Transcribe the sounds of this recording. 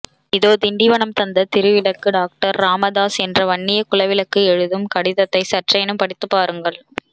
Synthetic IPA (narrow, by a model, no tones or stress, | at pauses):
ɪðoːd̪ɪɳɖɪʋɐɳɐmt̪ɐnd̪ɐt̪ɪɾɯʋɪlɐkːɯɖaːk̚ʈɐɾːaːmɐðaːsɛndrɐʋɐɳːɪjɐkʊlɐʋɪlɐkːɯɛɻɯðɯmkɐɽɪðɐt̪ːɐɪsɐʈrɐjnɯmpɐɽɪt̪ːɯpːaːɾɯŋɡɐɭ